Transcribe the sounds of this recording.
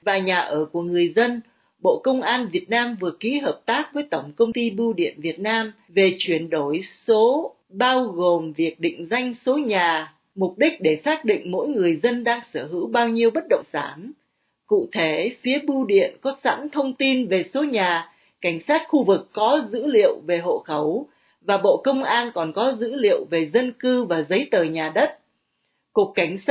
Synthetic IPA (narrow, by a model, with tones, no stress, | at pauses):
vaː˨˩ɲaː˨˩ʔəː˧˩ku˧˩əŋɨ˨˩əjzə˧n | ɓo̰˧˨kə˧wŋ͡mʔaː˧nvi˨˩ət̚naː˧mvɨ˨˩əki˨˦ɦəː˨˩p̚t̪aː˦˥k̚vəː˨˦jt̪ə˧˩wŋ͡mkə˧wŋ͡mt̪i˧ɓu˧ɗḭ˧˨ənvi˨˩ət̚naː˧m | ve˨˩t͡ɕwi˧˩ənɗo˧˩jso˨˦ | ɓaː˧wɣo˨˩mvi˨˩ək̚ɗḭ˧˨ŋ̟za˧jŋ̟so˨˦ɲaː˨˩ | mʊ˨˩k͡p̚ɗï˦˥k̟̚ɗe˧˩saː˦˥k̚ɗḭ˧˨ŋ̟mo̰˧˥jŋɨ˨˩əjzə˧nɗaː˧ŋsəː˧˩ɦɨ̰˧˥wɓaː˧wɲi˧əwɓə˦˥t̚ɗə̰˧˨wŋ͡msaː˧˩m | kṵ˧˨t̪ʰe˧˩fi˨˦əɓu˧ɗḭ˧˨ənkɔ˨˦sa̰˧˥nt̪ʰə˧wŋ͡mt̪i˧nve˨˩so˨˦ɲaː˨˩ | ka˧˩jŋ̟saː˦˥t̚xu˧vɨ˨˩kːɔ˨˦zɨ̰˧˥lḭ˧˨əwve˨˩ɦo̰˧˨xə˧˩w | vaː˨˩ɓo̰˧˨kə˧wŋ͡mʔaː˧nkɔ˨˩nkɔ˨˦zɨ̰˧˥lḭ˧˨əwve˨˩zə˧nkɨ˧vaː˨˩zə˨˦jt̪əː˨˩ɲaː˨˩ɗə˦˥t̚ | ku˨˩əkːa˧˩jŋ̟